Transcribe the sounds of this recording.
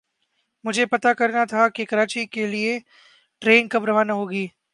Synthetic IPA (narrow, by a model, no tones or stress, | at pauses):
mʊd͡ʒʱepɐt̪akɐɾnat̪ʰakekɐɾaːt͡ʃikelie | ʈɾeːnkɐbɾəʋaːnɐɦoːɡiː